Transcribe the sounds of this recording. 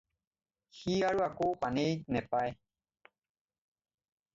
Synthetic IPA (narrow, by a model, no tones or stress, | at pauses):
hiaɾuakopanetnepae